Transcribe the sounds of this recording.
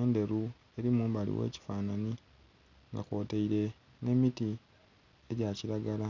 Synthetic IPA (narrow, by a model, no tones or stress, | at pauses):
eːnde̞ɾu | e̞ɾimuːmbalḭwḛːci̥faːnani | ŋɡa̰ko̞ːteiɾe̞ | ne̞miti | eɟaciɾaɡala